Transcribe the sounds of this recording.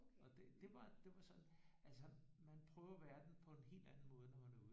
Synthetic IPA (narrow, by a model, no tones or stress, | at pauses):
ɒ̽d̥e̝d̥e̝ʋɑ̈d̥e̝ʋɑ̈sɒ̽nʔælsəmænpʰʁœːʊɐʋæːɐd̥en̩pʰɒ̽e̝nɦe̝̰ːld̥ænn̩mɔ̽ːð̞ˠənɒʋænæuðˠ